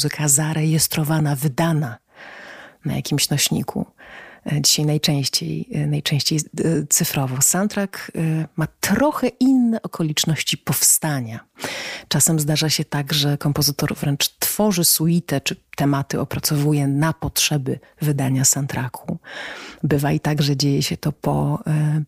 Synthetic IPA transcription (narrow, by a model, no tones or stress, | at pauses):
zɘkʰazaɾɛjɛst̪ɾɔvanavɘd̪ana | na̰ja̰kʲimɕnɔɕɲḭkʰṵ | d͡ʑiɕajnajt͡ʂɛ̃ɕt͡ɕḛjnajt͡ʂɛ̃ɕt͡ɕejt̪sɘfɾɔvɔ̃wsant̪ɾakmat̪ɾɔxɛʔinːɛʔɔkʰɔlʲit͡ʂnɔɕt͡ɕipɔfst̪aɲat͡ʂasɛmzd̪aʐaɕɛt̪aɡʐɛkɔmpɔzɘt̪ɔɾvɾɛnt͡ʂt̪fɔʐɘsuit̪ɛt͡ʂɘt̪ɛmat̪ɘɔpɾat̪sɔvujɛnapɔtʂɛbɘ | vɘd̪aɲasant̪ɾʔakʰu | bɘvait̪aɡʐɛd͡ʑejɛɕɛt̪ɔpɔ